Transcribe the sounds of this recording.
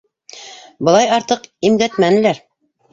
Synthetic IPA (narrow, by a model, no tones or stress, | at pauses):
bɤ̆lˠɑjɑɾt̪ɤqimɡæt̪mænɘ̆læɾ